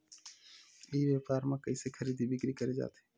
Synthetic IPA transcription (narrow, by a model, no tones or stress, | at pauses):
iːʋeːpaːɾmãːkəiːsekʰəɾiːd̪ibʱɪkɾikəɾed͡ʒa̰ːt̪e̥ː